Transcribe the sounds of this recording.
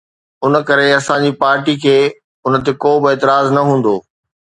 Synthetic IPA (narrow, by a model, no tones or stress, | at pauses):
ʊn̆kɐɾeɐsãːɲd͡ʑiːpaːɾʈikʰeː | ʊn̆t̪ekoːbɪeːt̪ɪɾaːznɐɦũːn̆d̪oː